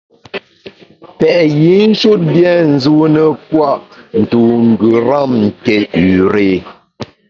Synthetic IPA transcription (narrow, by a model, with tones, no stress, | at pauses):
pɛ˨ʔji˨˦n̩˦ʃu˦t̚bjɛ˦˨n̩˨zu˦nə˨pwa˦˨ʔn̩˨tu˨ŋ̩˨ɡʉ˨ɾa˦˨mŋ̩˨ke˨ʉ˨ɾe˦˨